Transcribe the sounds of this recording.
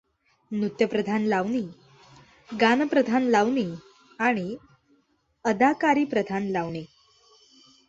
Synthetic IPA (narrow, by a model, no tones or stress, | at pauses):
nut̪jəpɾəd̪ʱanlaʋniː | ɡanəpɾəd̪ʱanlaʋɳiː | aɽ̃i | əd̪ʱakaɾiːpɾəd̪ʱanlaʋɳe